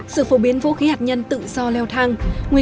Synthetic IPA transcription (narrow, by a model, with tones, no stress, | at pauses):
sɨ̰˧˨fo˨˩ɓi˨˦ənvo̰˧˥xi˨˦haː˨˩t̚ɲə˧nt̪ɨ̰˧˨zɔ˧lɛ˧wt̪ʰaː˧ŋŋwi˧